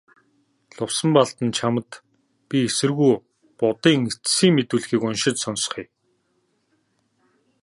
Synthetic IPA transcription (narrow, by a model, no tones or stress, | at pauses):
ɮʊwsə̆mpaɮt̪ə̆nt͡ɕʰamə̆t̪ | pʲiesɘ̆rɣuj | pʊt̪iːŋet͡ssiːŋmet̪uːɮxiːkʊnʃɪ̆t͡ɕ̪sɔns̆χiː